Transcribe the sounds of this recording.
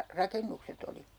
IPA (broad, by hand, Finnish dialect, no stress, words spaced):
rɑkenːukset oli